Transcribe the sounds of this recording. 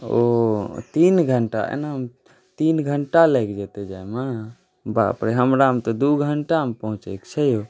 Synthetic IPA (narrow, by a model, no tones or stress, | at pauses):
ot̪inɡʱəɳʈa̰ḛnaɦəm | t̪inɡʱəɳʈalɛkd͡ʒet̪ed͡ʒaema | ba̰pɾeɦəmɾaəmt̪ɔd̪uɡʱəɳʈaɦəmpəɦũt͡ʃɛkt͡ʃʰəjo